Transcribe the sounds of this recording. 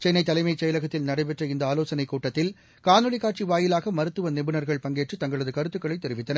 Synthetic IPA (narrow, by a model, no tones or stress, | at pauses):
t͡ʃɛnːɐɪt̪ːɐlɐɪmɐɪt͡ʃːɛjɐlɐɣɐt̪ːɪlnɐɽɐɪpɛʈrɐɪnd̪ɐaːloːsɐnɐɪkːuːʈːɐt̪ːɪl | kaːnɯlɪkaːʈ̚t͡ʃiʋaːjɪlaːɣɐmɐɾɯt̪ːɯʋɐnɪbɯnɐɾɣɐɭpɐŋɡeːʈrɯt̪ɐŋɡɐɭɐðɯkɐɾɯt̪ːɯkːɐɭɐɪt̪ːɛɾɪʋɪt̪ːɐnɐ